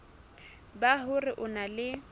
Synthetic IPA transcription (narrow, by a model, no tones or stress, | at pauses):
baɦʊrɪʔʊnalɪ